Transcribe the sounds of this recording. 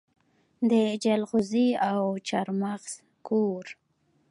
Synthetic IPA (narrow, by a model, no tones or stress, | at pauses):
d̪əd͡ʒalɣʊziawt͡ʃaɾmaɣs | koɾ